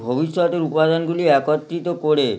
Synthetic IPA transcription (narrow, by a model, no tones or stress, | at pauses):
bʱobiʃːɔt̪eɾupad̪onɡuliɛkot̪ːɾit̪okoɾe